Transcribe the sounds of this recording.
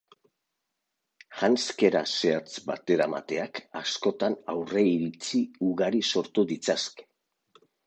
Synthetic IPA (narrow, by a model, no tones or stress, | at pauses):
ʝanske̞ɾa̰se̞at͡sba̰t̪e̞ɾama̰t̪e̞akasko̞t̪anawre̞iɾit͡siuɣaɾiso̞ɾt̪uðit͡saske̥